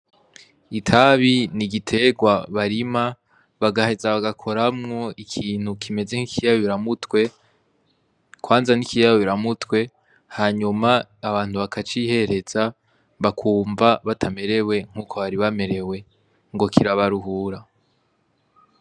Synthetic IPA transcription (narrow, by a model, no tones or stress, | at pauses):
itʰaβiniɡitʰe̞ɡwaβaɾima | βaɡaɦe̞zaβaɡakʰo̞ɾamŋo̞ikʰiːn̥hukʰime̞ze̞ŋ̥ikʰijaββiɾamutwe̞ | kwaːnzanikijawβiɾamutwe̞ | haɲumaːβaːn̥huβakʰat͡ʃihe̞ɾe̞z̥a | βakʰuːmvaβatʰame̞ɾe̞we̞ŋ̥uːkʰo̞βaɾiβame̞ɾe̞we̞ | ŋɡo̞kʰiɾaβaɾuɦuːɾa